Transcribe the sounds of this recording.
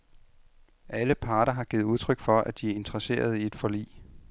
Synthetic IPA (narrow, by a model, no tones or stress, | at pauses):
ʔæləpʰɑ̈ːɾɐɦɑ̈ɡ̥iːð̞̩ˠuðˠt͡sʰʁœɡ̥fɒ̽ʔæd̥iæɐe̝nd̥ʁɐse̝̰ːɐð̞̩ˠie̝d̥fɒ̽lḭː